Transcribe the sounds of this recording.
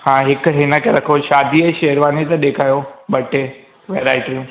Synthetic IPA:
hãːɦɪkɦɪnəkʰeɾɐkʰoʃaːd̪ʱiɐʃeɦəɾʋaːnet̪ɐɗ̪eːkʰaːjobɐʈe | ʋeːɾaːɪʈijũː

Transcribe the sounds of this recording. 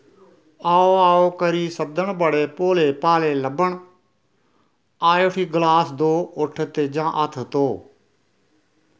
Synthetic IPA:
aːoːaːoːkəɾiːsəb̚d̪əɳbəɽeːpoːleːpaːleːləbəɳ | aːeoʈʰiːɡlaːsd̪oːʊʈʰt̪eːd͡ʒãːʔət̪ʰt̪oː

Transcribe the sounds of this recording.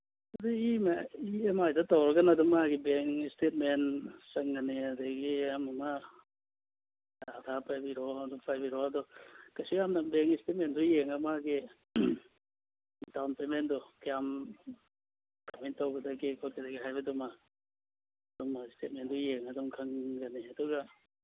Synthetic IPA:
ɐduimaiemajdatawɾɐɡɐnadɔŋmaɦaɡibeŋistet̚mensɐŋːaneadaɡiamɐma | dadʰapajbiɾɔmdɔpʰajbiɾɔɐdɔkasijamnabeŋistet̚mendɔjeŋɐmaɡi | tawnpemendɔkijam | kamentawɡɐdaɡikʰot̚kʰadaɡiɦajbɐduma | ɐdɔmːaistet̚mendɔjeŋɐdɔmkʰɐŋɡɐneɐduɡa

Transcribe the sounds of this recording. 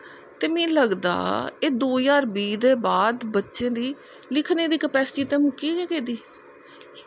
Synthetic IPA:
t̪eːmẽːləɡd̪a̰ːeːd̪oːjaːɾbiːd̪eːbaːd̪bətːʃẽːd̪iː | lɪkʰnẽːd̪iːkəpɛːst͡ʃiːt̪ɛ̃ːmũːkiːɡeːɡeːd̪iː

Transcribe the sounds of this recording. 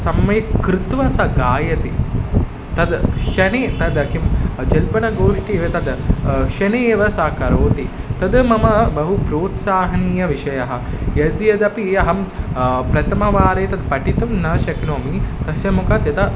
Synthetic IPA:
sɐmːɐkɾut̪ʋɐsɐɡaːjɐt̪i | t̪ɐd̪ʃɐnet̪ɐd̪ɐkimd͡ʒɐlpɐnɐɡoːʂʈieːʋɐt̪ɐd̪ʃɐneːʋɐsaːkɐɾoːt̪it̪ɐd̪mɐmɐbɐɦupɾoːt̪saːɦɐniːjɐʋiʃɐjɐɦɐ̆jɐd̪jɐd̪ɐpijɐɦɐmpɾɐt̪ɐmɐʋaːɾeːt̪ɐd̪pɐʈit̪ɐmnɐːʃɐknoːmit̪ɐsjɐmukɐt̪jɐt̪ɐ

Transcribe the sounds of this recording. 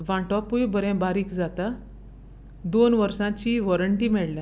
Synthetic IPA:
ʋãɳʈɔpujbəɾɛ̃baɾiːkd͡zat̪a | d̪onʋəɾsãt͡ɕiːʋɔɾəɳʈiːmɛɭljã

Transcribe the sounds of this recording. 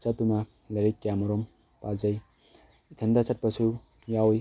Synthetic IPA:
t͡ʃatːuna | leɾekːjamɔɾɔm | pazaj | it̪ʰɐndat͡sat̚pasʰu | jaw

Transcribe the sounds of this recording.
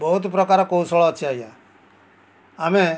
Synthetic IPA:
bɔɦut̪pɾɔkaɾɔkousɔɭɔːt͡ʃʰiaɦja | ame

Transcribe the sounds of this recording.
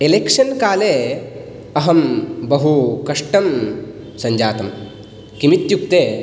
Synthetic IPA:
elekʂɐnkaːleː | ɐɦɐmbɐɦukɐʂʈɐm | sɐɲd͡ʒaːt̪ɐm | kimit̪jukt̪eː

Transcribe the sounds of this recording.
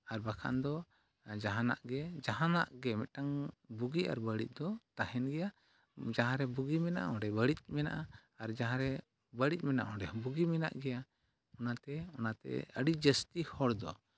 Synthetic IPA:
aɾbakʰa̰nd̪ɔ | d͡ʒaɦãna̰ʔɡɛd͡ʒaɦãnaʔɡɛmɛʈaŋbuɡia̰ɾbəɽic̚ˀd̪ɔt̪ahɛnɡɛja | d͡ʒaɦãɾɛbuɡimɛna̰ʔɔ̃ɖɛbəɽic̚ˀmɛna̰ʔaaɾd͡ʒaɦãɾɛ | bəɽic̚ˀmɛna̰ʔɔ̃ɖɛbuɡimɛna̰ʔɡɛja | ɔnat̪ɛɔnat̪ɛ̰əɽid͡ʒəst̪ihɔɽd̪ɔ̰

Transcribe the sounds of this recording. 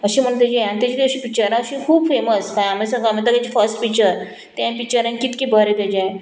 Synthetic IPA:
əɕĩm̤əɳt̪jad͡ʑiãnt̪ad͡ʑiːt̪iəɕipik̚t͡ɕəɾãəɕĩkʰuːbfeməskãjamẽsə̃ŋɡamẽt̪̬əkãd͡ʑifəɾsʈpikt͡ɕəɾ | t̪jãpik̚t͡ɕəɾãnkit̪kibʱəɾet̪ad͡ʑã

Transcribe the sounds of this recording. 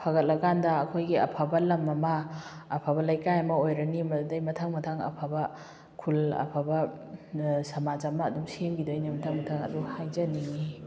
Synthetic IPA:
pʰaɡɐt̚lɐɡandɐːkʰojɡiɐ̰pʰabɐlɐmːɐmɐː | pʰabɐlajkajamɐojɾɐnimɐdudɐjmɐtʰaŋmɐtʰaŋɐ̰pʰabɐ | kʰulɐ̰pʰabɐ | sɐmazamɐːdumsiemɡidojnimɐtʰaŋmɐtʰaŋɐ̰duhajzɐni

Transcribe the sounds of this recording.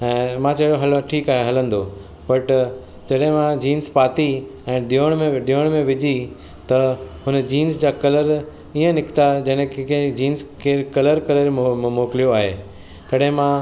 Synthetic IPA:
ɛ̃ːmãt͡ɕɐoɦɐlʈʰiːkaːɦeɦɐlə̃n̆d̪o | bɐʈ | d͡ʑɐɗɦɪ̃mãd͡ʑiːnspaːt̪i | ɛ̃ːɗiəɽ̃mẽɗioɽ̃mẽʋɪd͡ʑʱi | t̪ɐɦʊnəd͡ʑiːnsd͡ʑaːkɐləɾ | iə̃nɪkt̪ad͡ʑɐ̃ñkẽd͡ʑiːnskʰeːkɐləɾkɐləɾmoːkɪlijoaːɦeː | t̪ɐɗɦɪ̃mã

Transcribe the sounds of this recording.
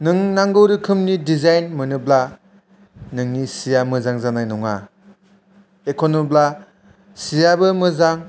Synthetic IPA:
nɯŋnaŋɡɯwɾɯkʰɯmnidizajnmɯnɯbla | nɯŋnisijamɯzaŋzanajnɔŋa | ekʰonɔbla | sijabɯmɯzaŋ

